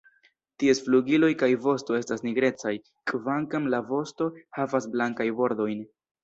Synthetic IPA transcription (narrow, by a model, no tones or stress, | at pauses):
tie̞sfluɡilo̞jkajvo̞sto̞e̞stasniɡɾe̞t͡saj | kvaŋkamlavo̞sto̞havasblaŋkajbo̞ɾd̪o̞jn